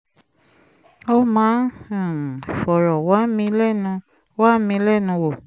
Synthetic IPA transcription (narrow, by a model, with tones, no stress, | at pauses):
o˦mãː˨˦˨ | fɔ˨ɾɔ˨wa˨˦mĩ˧lɛ˦˨nũ˧ | wa˦mĩ˧lɛ˦˨nũ˧wo˦˨